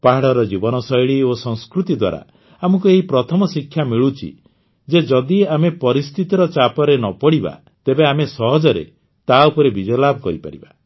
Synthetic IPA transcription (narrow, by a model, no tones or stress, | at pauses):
paɦaɽɔɾɔd͡ʒibɔnɔsɔjɭiosɔ̃ŋskɾut̪id̪wa̰ɾa̰ | amɔkueɦipɾɔt̪ʰɔmɔsikʰːjamiɭut͡ʃʰḭ | d͡ʒed͡ʒɔd̪iamepɔɾist̪ʰit̪iɾɔt͡ʃapɔɾenɔpɔɽiba̰ | t̪ebeamesɔɦɔd͡ʒɔɾḛ | t̪aupɔɾebid͡ʒɔjlabʱɔkɔɾipa̰ɾḭba